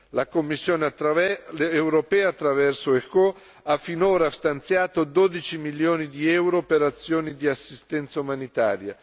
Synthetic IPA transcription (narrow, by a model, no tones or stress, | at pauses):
lakomːisːjoːne | ewɾopɛːaːt̪ːɾavɛrsoeko | afːinoːɾast̪ant̪sjaːt̪od̪od̪it͡ʃimiljoːnid̪iɛwɾopeɾat̪sːjoːnid̪iasːist̪ɛnt̪saumanit̪a̰ːɾja